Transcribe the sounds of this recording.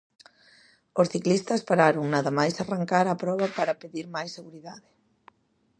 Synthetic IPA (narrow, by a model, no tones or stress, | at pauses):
osθiklist̪ɐspaɾaɾoŋnaðɐmajsaraŋkaɾapɾɔβ̞ɐpaɾɐpeðiɾmajsːeɣuɾiðaðɪ